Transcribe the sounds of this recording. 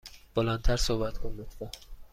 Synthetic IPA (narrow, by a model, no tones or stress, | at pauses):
b̥olænt̪ʰæɾsohbæt̪kʰond̪et̪æ